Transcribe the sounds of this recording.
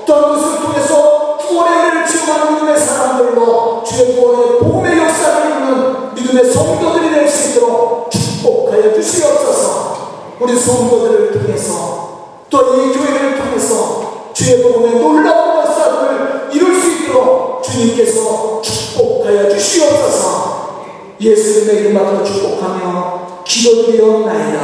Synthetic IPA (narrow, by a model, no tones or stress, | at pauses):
t͈ʌnɡʌsʰɯɾɯɭtʰoŋe̞sʰʌpuwʌneneɾɯɭt͡ɕʰioŋɦanmidɯme̞sʰaɾamdɯɭdwat͡ɕue̞puʌnepoɡɯme̞jʌks͈aɾannɯn | midɯme̞sʰʌŋdodɯɾideɭs͈uit̪͈ʌɾok̚t͡ɕuk̚p͈ok̚k͈ajʌd͡ʑuɕʰiʌp̚s͈ʌsʰʌ | uɾisʰʌŋdodɯɾɯɭtʰoŋe̞sʰʌ | t͈ojed͡ʑoeɾɯɾɯɭtʰoŋe̞sʰʌ | t͡ɕieboɡumetoɭːaojʌks͈amɯɭiɾɯɭs͈uit̪͈ːoɾok̚t͡ɕuɲimk͈e̞sʰʌt͡ɕu̥k̚p͈ok̚ʰajʌt͡ɕuɕʰiʌp̚s͈ʌsʰʌ | je̞sʰuɲimeiɾɯmadot͡ɕuk̚p͈okʰamʌ | kidodeʌnaɲida